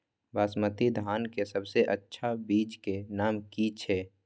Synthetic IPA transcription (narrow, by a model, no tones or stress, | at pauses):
baːsmət̪id̪ʱaːnkesəbseʔətːʃʰabiːt͡ʃkenaːmkit͡ʃʰeː